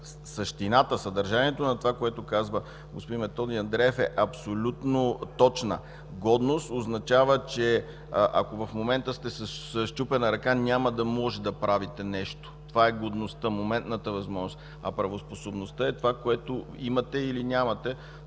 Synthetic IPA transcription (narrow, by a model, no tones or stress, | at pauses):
sɐʃt̪inat̪əsɐd̪ɐɾʒaniɛt̪onɐt̪ovakoɛt̪okazvə | ɡospod̪imɛt̪ɔd̪iɐnd̪ɾɛɛfɛʔɐpsolʲut̪not̪ɔt͡ʃnə̰ | ɡɔd̪nost̪oznɐt͡ʃavət͡ʃɛ | ʔɐ̰kovɐfmomɛnt̪əst̪ɛsəsəʃt͡ʃupɛnɐɾɐkanʲaməd̪ɐmɔʒɛd̪ɐpɾavit̪ɛnɛʃt̪o̥t̪ovaɛɡod̪nost̪əmomɛnt̪nət̪əvɐzmɔʒnost̪ | ɐpɾɐvosposobnost̪əɛt̪ovakoɛt̪o | imɐt̪ɛilinʲamɐt̪ɛ